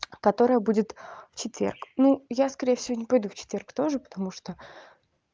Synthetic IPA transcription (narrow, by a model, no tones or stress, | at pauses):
kɐt̪o̞ɾəjəbudʲɪt̪ft͡ɕɪt̪vʲerknujaskɐɾʲejəfsʲɪvonʲɪpɐjd̪uft͡ɕɪ̥t̪vʲe̞rkt̪o̞ʐɨpə̥t̪ɐmuʂt̪o